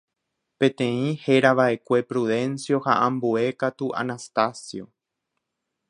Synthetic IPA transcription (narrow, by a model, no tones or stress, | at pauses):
pẽ̞t̪ẽ̞ĩhe̞ɾaʋaʔe̞kʷe̞pɾuðẽ̞nsjo̞haʔãmbue̞kat̪uʔa̰nast̪asjo